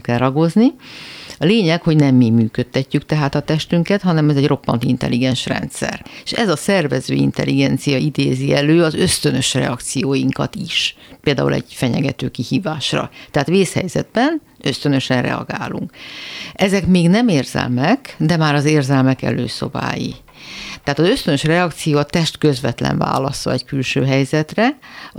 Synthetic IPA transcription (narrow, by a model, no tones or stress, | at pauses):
kɛrɒɡo̞zniɒleːɲɛkho̞ɟnɛmːimyːkø̞t̪ːɛcːykt̪ɛɦaːt̪ɒt̪ɛʃt̪yŋkɛt̪hɒnɛmɛzɛɟro̞pːɒ̰nt̪int̪ɛ̰liɡɛnʃrɛ̰nt̪sɛ̰reʃɛzɒsɛrvɛzø̰ːḭnt̪ɛ̰lːiɡɛnt̪sijɒid̪eːziɛløːɒzø̞st̪ø̞nø̞ʃrɛ̰ɒkt̪sijoːjiŋkɒ̰t̪iʃpeːld̪aːṵlɛ̰ɟfɛɲɛɡɛt̪øːkihiːvaːʃrɒ̰t̪ɛɦaːt̪ʋeːshɛ̰jzɛd̪̚bɛn | ø̞st̪ø̞nø̞ʃɛnrɛ̰ɒ̰ɡa̰ːluŋk | ɛzɛkmeːɡnɛmeːrz̥ɛ̰lmɛkd̪ɛmaːɾɒzeːrzɛlmɛkɛ̰løːso̰ba̰ːjḭ | t̪ɛat̪ɒzø̞st̪ønøʃrɛɒkt̪sijoːɒt̪ɛʃt̪kø̞zvɛt̪lɛ̰ɱva̰ːlɒsɒ̰ɛckylʃøːɦɛjzɛt̪rɛ